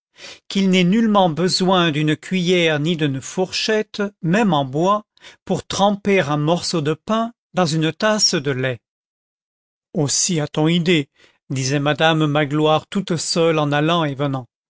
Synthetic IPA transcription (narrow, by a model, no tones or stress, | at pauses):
kilnɛnylmɑ̃bəzwɛ̃d̪ynəkʲɥijɛʁnid̪ynfɔʁʃɛt̪mɛmɑ̃bwa | puʁt̪χɑ̃peʁɛ̃mɔʁsod̪əpɛ̃ | d̪ɑ̃zynət̪asd̪əlɛ | osiat̪ɔ̃id̪e | d̪izɛmad̪ammaɡlwaʁt̪ut̪sœlɑ̃nalɑ̃evənɑ̃